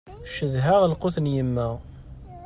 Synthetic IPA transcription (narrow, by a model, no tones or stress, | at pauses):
ʃəðɦæʁlqʊθənjəmːæʁ